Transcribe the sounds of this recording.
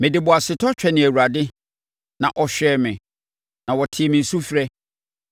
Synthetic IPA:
mɪ̃˨dɪ˨bʊ˨a˨sɪ˨tʰɔ˦t͡ɕᶣɛ˨nɪ̃˨æ˨wu˨ɾa˨dɪ˦ | nã˨ʔɔ˨ɕᶣɛː˦mɪ̃˨ | nã˨wɔ˨tʰɪ˨ɛ˨mɪ̃˨n̩˨su˦fɾɛ˦

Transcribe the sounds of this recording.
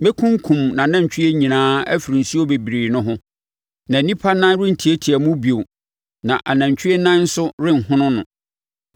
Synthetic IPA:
me˦kʰʊ̃˦ŋ˦kʰũ˨mnã˨nã˦ɲ˨t͡ɕᶣʰɪ˦e˦ɲĩ˨nãː˦æ˦fi˨ɾi˨n̩˨si˦o˦be˨bi˨ɾiː˨nʊ̃˦ɦʊ̃˦ | nã˨˦nĩ˦pʰa˦nã˦n˦ɾɪ˦n̩˨tʰi˨e˦tʰi˨æ˨mʊ̃˦bi˨o˨ | nã˨ʔa˨nã˨ɲ˨t͡ɕʰᶣi˦e˦nã˦n̩˦sʊ˦ɾɪ̃˦ŋ̩˨ɦʊ̃˦nʊ̃˦nʊ̃˨

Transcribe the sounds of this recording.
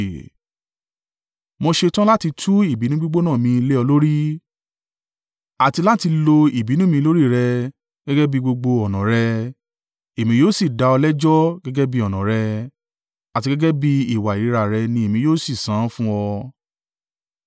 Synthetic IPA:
mɔ̃˧ʃe˧tã˦la˦ti˧tʰu˦i˦˨bi˨˦nũ˦ɡ͡bu˦ɡ͡bo˦nã˦˨mĩ˧le˦ɔ˧lo˦ɾi˦ | a˨ti˧la˦ti˧lo˧i˨bi˨˦nũ˦mĩ˧lo˦ɾi˦˨ɾɛ˧ | ɡ̥ɛ˦ɡɛ˦bi˦ɡ͡bo˧ɡ͡bo˧ɔ˨nã˨ɾɛ˧ | e˨mĩ˧˦joː˦si˦˨da˧ɔ˧lɛ˦d͡ʒɔ˦ɡɛ˦ɡɛ˦bi˦ɔ˨nã˨ɾɛ˧ | a˨ti˧ɡɛ˦ɡɛ˦bi˦i˦˨wa˨i˨˦ɾa˨ɾɛ˧nĩ˧e˨mĩ˧joː˦si˦˨sãː˨˦fũ˦ɔ˧

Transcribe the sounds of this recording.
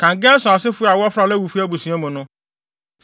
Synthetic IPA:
kã˨ŋ˨ɡɛ̃˦n˦sʊ̃˨a˨sɪ˦fʊ˦˨a˨wɔ˦fɾa˨lɛ˦wu˨fi˦a˦bu˨sĩ˨˦ã˦mʊ̃˨nʊ̃˦

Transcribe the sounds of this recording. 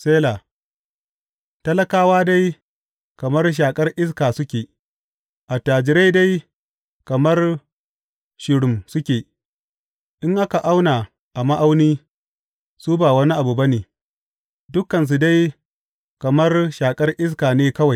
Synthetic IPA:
seː˦la˨ | tɐ˦lɐ˦kaː˦waː˦da˦j | kɐ˨mɐ˦rʃ̬aː˨kʼɐ˦rʔɪ˦s̬kaː˨sʊ˦kʲeː˨ | ʔa˨taː˨d͡ʒɪ˨ɾe˦jda˦j | kɐ˨mɐ˦r | ʃɪ˨ɽʊ˨msʊ˦kʲeː˨ | ʔɪ˦ŋʔa˦ka˨ʔa˦wna˨ | ʔa˨ma˦ʔa˦wniː˦ | suː˦baː˨wɐ˦ni˦ʔa˨bu˨bɐ˦neː˨ | dʊ˦kːɐ˨ns̬u˨da˦j | kɐ˨mɐ˦rʃaː˨kʼɐ˦rʔɪ˦s̬kaː˨neː˦kɐ˦wa˨j

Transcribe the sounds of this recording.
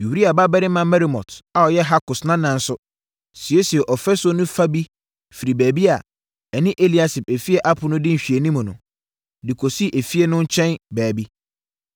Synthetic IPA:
ju˨di˦a˨ba˦bɛ˦ɾɪ˦mã˨mɛ˦ɾi˨mɔ̰˨ta˨ɔ˨jɛ˦ɦa˦kʊ˨snã˦nã˨n̩˦sʊ˦ | si˨e˦si˨ɛ˨ʔɔ˨fɛ˦so˦nʊ̃˦fa˦bi˦ | fi˨ɾi˨bɛː˨bi˦a˨ | ɛ˨nɪ̃˦ʔe˦li˨a˦sɪ˨pɛ˨fi˦ɛ˦ʔa˦pʰʊ˦nʊ̃˦dɪ̃˦n̩˨ɕᶣi˨e˨nĩ˦mʊ̃˨nʊ̰̃˨ | di˨kʰo˨si˦ʔe˨fi˦ɛ˦nʊ̃˦ɲ̩˦t͡ɕʰɛ̃˦nbæː˨bi˦

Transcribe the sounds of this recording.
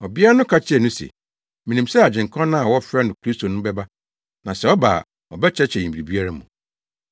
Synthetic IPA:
ɔ˨bi˦a˦nʊ̃˦kʰa˦t͡ɕʰɪ˦ɛ˨nʊ̃˦sɛ̰˨ | mĩ˨nĩ˨msɛ˦a˨d͡ʑɪ̃˨ŋ˨kʰɔ̃˦nã˦a˨wɔ˦fɾɛ˦nʊ̃˨kʰɾi˦stʰo˨nʊ̃˦bɛ˦ba˦ | nã˨sɛ˨ɔ˦ba̰˨ | ɔ˨bɛ˦t͡ɕʰɛ˦t͡ɕʰɛ˨ĩ˨bi˨ɾi˨bi˦a˦ɾa˦mũ˨

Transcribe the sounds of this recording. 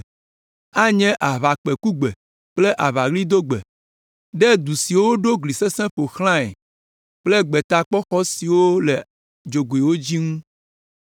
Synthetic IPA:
a˦ɲɛ̃˦ʔa˨βa˨k͡pe˨ku˦ɡ͡be˨ | k͡ple˦ʔa˨βa˨ɣli˦d̪o˦ɡ͡bḛ˨ | ɖɛ˦d̪u˨si˨wo˦ɖo˦ɡli˨se˦sɛ̃˦ɸo˨xl̃ã˦ɛ̰˨ | k͡ple˦ɡ͡be˨t̪a˦k͡pɔ˦xɔ˦si˨wo˦le˨ | d͡ʒo˨ɡo˨i˨wo˦d͡ʑi˦ŋũ˦

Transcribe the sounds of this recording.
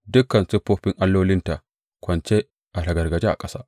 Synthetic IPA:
dʊ˦kːɐ˨nsʊ˦pːoː˦ɸɪ˦ŋʔa˦lːoː˦lɪ˦nta˨ | kʷɐ˨nt͡ʃe˦ | ʔa˨lɐ˨ɡɐ˨rɡɐ˨d͡ʒe˦ʔa̰˨kʼɐ˦saː˦ʔ

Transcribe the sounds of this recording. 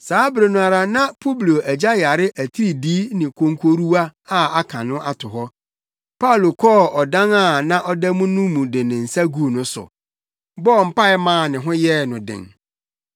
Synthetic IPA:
saː˨˦bɾe˨nũ˨a˨ɾa˨nã˦pʰo˦bli˨o˨ʔæ˨d͡ʑa˦ja˨ɾɪ˦ʔæ˨tʰi˦ɾi˨diː˦nɪ̃˨kʰõ˨ŋkʰo˦ɾu˦a˦a˦˨a˦kʰã˨nʊ̃˦ʔa˦tʰʊ˨ɦɔ˦ | pʰa˦u˨lo˨kʰɔː˦ɔ˨dã˦na˦˨nã˦ʔɔ˦dɛ˦mũ˦nũ˦mũ˨dɪ˨nɪ̃˨n̩˨sa˦ɡu˦˨nʊ̃˦sʊ̰˨ | bɔ˦˨m̩˨pa˦ɪ˦mãː˦˨nɪ̃˨ɦʊ̃˦jɛ˦˨nʊ̃˨dɪ̰̃˨ŋ

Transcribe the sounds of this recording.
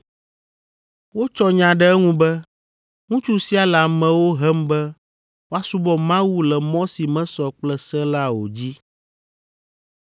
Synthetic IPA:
wo˦t͡ʃɔ˦ɲã˨ɖɛ˦ɛ˦ŋũ˦bɛ˦ | ŋũ˦t͡ʃu˦si˦a˨la˨mɛ̃˨wo˦ɦɛ˦mbɛ˦ | wo˦a˦su˦bɔ˦mã˦wu˦lɛ˨mɔ̃˦si˨mɛ̃˦sɔ˨k͡plɛ˦sɛ˦la˦wo˨d͡ʑi˦

